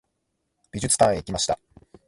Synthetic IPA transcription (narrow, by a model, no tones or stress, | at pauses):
b̥ʲiʑɨt͡sɨ̥t̪ãeikʲimaɕi̥t̪a̰